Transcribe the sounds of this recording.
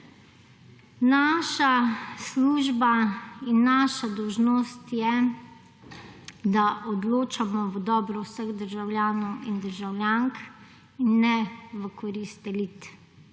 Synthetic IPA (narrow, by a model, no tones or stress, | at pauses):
naʃasluːʒbainːaːʃad̪ɔwʒnoːst̪jɛ | d̪aʔɔd̪loːt͡ʃamɔʋəd̪ɔːbɾɔwsəɣd̪əɾʒawljaːnɔwind̪əɾʒawljaŋk | inːɛʋəkɔɾist̪ɛlit̪